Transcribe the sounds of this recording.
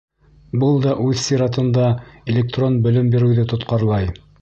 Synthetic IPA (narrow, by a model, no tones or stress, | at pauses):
bɤlˠd̪ɑʔʉðsiɾɑt̪ɤ̆nd̪ɑelʲek̚t̪ronbɵ̆lɘmbiɾɘ̆wðɘt̪ŏt̪qɑɾlˠɑj